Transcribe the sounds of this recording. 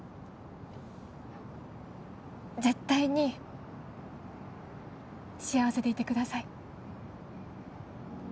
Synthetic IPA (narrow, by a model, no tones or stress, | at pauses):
ze̞t̪ːaiɲ̟i | ɕiaβase̞t̪e̞it̪e̞kɯ̟d̪asai